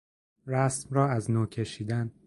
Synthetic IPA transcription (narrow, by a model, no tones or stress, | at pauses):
ɾæsmrɒːæznoːcʰe̞ʃiːd̪æn